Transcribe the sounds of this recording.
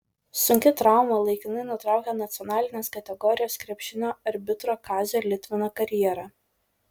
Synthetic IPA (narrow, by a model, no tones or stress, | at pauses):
sʊŋʲkʲɪt̪ɾɑˑʊmɐlˠɐɪkʲɪnɐɪnʊt̪ɾɑˑʊkʲɛnɐt̪sʲɔnɑːlʲɪnʲeːskɐt̪ʲɛɡɔɾʲɪjoːskɾʲɛpʲʃʲɪnʲoːɐɾʲbʲɪt̪ɾoːkɑːzʲɛlʲɪt̪ʲʋʲɪnoːkɐɾʲjɛɾɐ